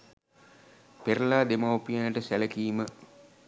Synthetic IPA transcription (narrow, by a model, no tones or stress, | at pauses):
peɾɐlaːd̪emaopːijanɐʈəsælɐkijimə